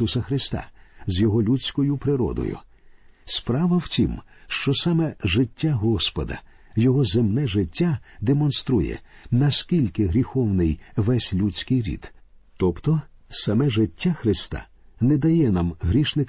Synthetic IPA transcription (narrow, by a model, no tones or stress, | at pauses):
usɐxɾɪst̪a̰zʲjɔɦɔlʲut͡sʲkɔjʊpɾɪɾɔ̰d̪ɔ̰jʊ̰ | spɾaʋɐwtʲim | ʃt͡ʃɔsamɛʒɪtʲːaɦɔspɔ̰d̪ɐ̰ | jɔɦɔzemnɛʒɪtʲːad̪emɔnst̪ɾujɛ̰nɐskʲilʲkɪɦɾʲixɔwnɪjʋɛsʲlʲut͡sʲkɪjɾʲḭd̪̥ | t̪ɔpt̪ɔsɐmɛʒɪtʲːaxɾɪst̪a̰ | nɛd̪ɐjɛnamɦɾʲiʃnɪk